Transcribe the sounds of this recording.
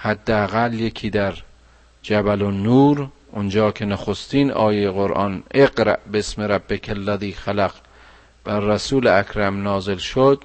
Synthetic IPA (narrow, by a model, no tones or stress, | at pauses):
hæd̪ːeæɣæljekʰiːd̪æɾ | d͡ʒæbælonuːɾ | ʔond͡ʒɒːkʰenæxost̪iːnɒ̰ːjejeɣoɾʔɒ̰ːneɡɾæ̰ʔbeesmeɾæbːekʰælːæðiːxælæq | b̥ærːæsuːleækʰɾæmnɒːzelʃod̪